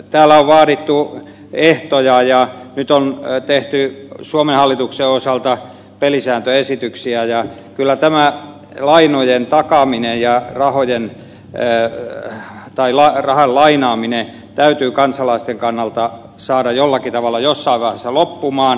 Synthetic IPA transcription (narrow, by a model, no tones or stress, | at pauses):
t̪æːlːæoʋʋɑːɾit̪ːu | eht̪ojɑjɑnyt̪ont̪eht̪ysuomenhɑlːit̪ukseosɑlt̪ɑ | pelisæːnt̪øesit̪yksiæjɑ | kylːæt̪æmæ | lɑinojent̪ɑkɑminejjɑrɑhojenː | t̪ɑilɑrɑhɑllɑinɑːmine | t̪æyt̪yːkɑnsɑlɑist̪eŋkɑnːɑlt̪ɑ | sɑːdɑjolːɑkit̪ɑʋɑlːɑjosːɑiʋʋæhæsːælopːumɑːn